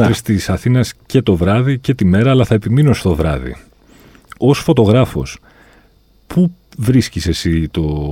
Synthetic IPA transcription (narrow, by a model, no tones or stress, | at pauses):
ɾist̪isɐθinɐsce̞t̪o̞vɾɐðice̞t̪ime̞ɾɐːlɐθɐe̞pimino̞st̪o̞vɾɐ̰ðḭ | o̞sfo̞t̪o̞ɣɾɐfo̞̰s | pʰu | vɾiscise̞sit̪o̞